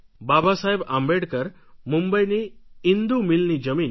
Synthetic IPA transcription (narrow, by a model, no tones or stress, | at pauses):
babasaɦebambeɽkəɾ | mumbəjniind̪umilnid͡ʑəmiːn